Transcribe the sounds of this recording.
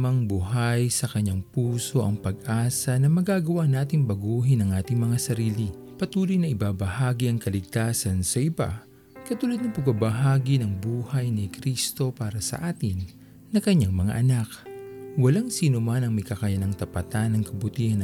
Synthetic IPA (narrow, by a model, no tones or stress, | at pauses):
ɐŋbuhajsɐkɐɲːaŋpuːso̞ʔɐŋpɐɡ̚ʔaːsɐnɐmɐɡaɡɐwaʔnaːt̪ɪŋbɐɡuːɦɪnɐŋʔaːt̪ɪŋmɐŋasɐɾiːlɪpɐt̪uːlɪjnɐʔɪbaːbɐhaːɡiɐŋkɐlɪɡ̚t̪aːsɐnsɐʔɪba̰ | kɐt̪uːlɐd̪nɐpɐɡ̚babɐɦaːɡinɐŋbuːhɐjnɪkɾist̪o̞paːɾɐsɐ̰ʔaːt̪ɪnː | ɐkɐɲːaŋmɐŋa̰ʔɐnakwɐlaŋsiːnomanɐŋmɐjkakajanɐŋt̪ɐpɐt̪anɐŋkɐbʊt̪iːhɐn